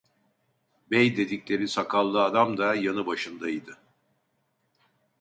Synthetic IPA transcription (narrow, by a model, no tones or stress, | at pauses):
bɛjd̪e̞d̪iclʲe̞ɾisakʰalˠːɯad̪amd̪ajanɯbaʃɯnd̪ajid̪ɯ